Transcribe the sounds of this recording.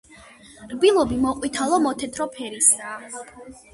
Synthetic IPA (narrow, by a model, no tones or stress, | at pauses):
ɾbilˠɔbimɔqʼwit̪ʰalˠɔmɔt̪ʰɛt̪ʰɾɔpʰɛɾisaː